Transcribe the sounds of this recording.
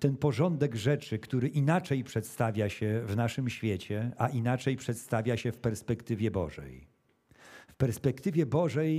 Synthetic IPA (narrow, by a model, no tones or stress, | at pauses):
t̪ɛnpɔʐɔnd̪ɛɡʐɛt͡ʂɘkt̪uɾɘʔinat͡ʂɛjpʂɛt̪st̪avʲjaɕɛvnaʂɘmɕfʲjet͡ɕɛaʔinat͡ʂɛjpʂɛt̪st̪avʲjaɕɛfpɛɾspɛkt̪ɘvʲjɛbɔ̰ʐɛ̰j | fpɛɾspɛk̚t̪ɘvʲjɛbɔʐɛj